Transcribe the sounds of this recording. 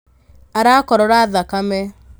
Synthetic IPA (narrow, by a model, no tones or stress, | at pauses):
aɾakɔɾɔɾaðakamɛ